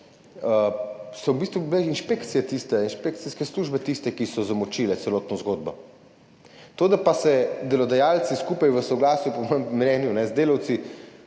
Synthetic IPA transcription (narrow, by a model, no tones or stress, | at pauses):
əsɔwbist̪ʋubilɛinʃpekt̪sijɛt̪ist̪ɛinʃpek̚t̪siskɛsluːʒbɛt̪ist̪ɛkisɔzamɔt͡ʃilɛt̪sɛloːt̪nɔzɡod̪̚bɔ | t̪od̪apasɛd̪ɛlɔd̪ajalt̪siskupajʋəsɔɡlaːsjupɔmɔjɛmmnɛːnjunɛzd̪eːlawt̪si